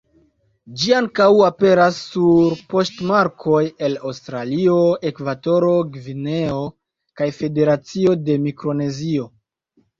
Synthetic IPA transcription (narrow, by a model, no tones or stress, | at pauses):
d͡ʒiaŋkawape̞ɾasːuɾpo̞stmaɾkʰo̞je̞lawstɾalio̞e̞kvato̞ɾo̞ɡvine̞o̞ | kajfe̞de̞ɾat͡sio̞de̞mikɾo̞ne̞zio̞